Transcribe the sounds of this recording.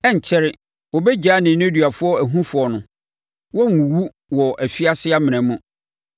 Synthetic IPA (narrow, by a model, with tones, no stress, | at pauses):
ɛ˦ɲ˨t͡ɕʰɛ˦ɾɪ˨ | wɔ˨bɛ˦d͡ʑᶣaː˦nɪ̃˨˦nɛ̃˦dɥa˨fʊ˦ɔ˦æ˨ɦũ˦fʊ˨ɔ˨nʊ̃˨ | wɔ˦ŋ˨ũ˨wu˦ | wɔ˨ʔæ˨fi˦a˦sɪ˦a˦mɪ̃˨nɛ̃˨˦mũ˦